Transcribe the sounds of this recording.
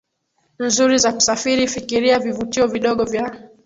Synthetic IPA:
nzuɾizaku̥safiɾifikiɾiavivutiɔviɗɔɠɔvja

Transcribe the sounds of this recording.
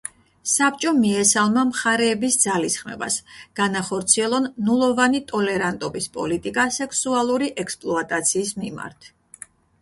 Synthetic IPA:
sap̚t͡ʃʼɔmiɛsalˠmamχaɾɛːbisd̪zalisχmɛ̰ba̰sɡ̥anaχɔɾt̪sʰiɛlˠɔnːulˠɔvanit̪ʼɔlɛɾant̪ʼɔbispʼɔ̰lit̪ʼikʼasɛksualˠuɾiʔɛkspʼlˠɔat̪ʼat̪sʰiːsmima̰ɾt̪ʰ

